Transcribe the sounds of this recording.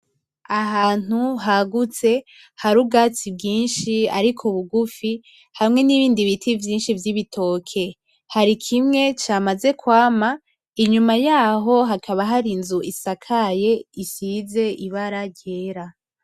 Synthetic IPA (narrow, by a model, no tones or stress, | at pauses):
aɦaːn̥uɦaɡut͡se̞ | haɾubɡaːt͡sib̚ɡiːnʃia̰ɾikʰoβuɡufi | hamŋe̞niβiːndiβitʰivjiːnʃivjiβitʰo̞ːkʰe̞ | haɾikʰimŋe̞t͡ʃaːmaze̞kwaːma | iɲumajaːɦo̞ɦakʰaβaɦaɾinzuisakʰaje̞isize̞ʔiβaɾaɟe̞ɾa